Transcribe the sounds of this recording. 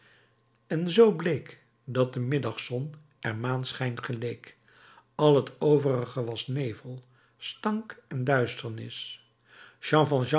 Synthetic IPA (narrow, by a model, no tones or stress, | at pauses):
ɛnzowblejk | dɑt̚dəmɪdɑχsɔn | ʔɛɹmaːntsχɛjntχəlejk | ɑlˠɦətowvərəχəʋɑsnejvəlˠ | stɑŋkɛndœɥstəɹnɪ̰s | ʃɑ̃ːfɑ̃lˠʒɑ̃